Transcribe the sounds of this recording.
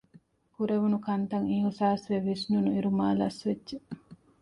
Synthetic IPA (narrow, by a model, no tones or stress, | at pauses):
kuɾeʋunukɐnt̪ɐŋiɦusaːsʋeʋisnunuiɾumaːlɐsʋedːʒe